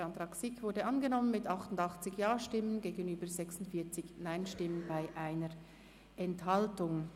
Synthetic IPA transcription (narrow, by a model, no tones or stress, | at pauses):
ɑntʁɑːksɪkvʊɐdəʔɑnɡənɔmənmɪtɑχtʊndɑχt͡sɪçjaːʃtɪmənɡeːɡənyːbəzɛksʊntfiːɐt͡sɪçnaɪnʃtɪmənbaɪʔaɪnəɾ | ʔɛnthɑltʊŋ